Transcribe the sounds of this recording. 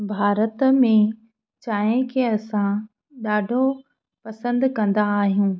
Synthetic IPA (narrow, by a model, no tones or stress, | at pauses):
bʱaːɾət̪mẽ | t͡ɕaːẽkʰeɐsã | ɗaːɖʱo | pɐsə̃nd̪kɐ̃nd̪aːɦijũː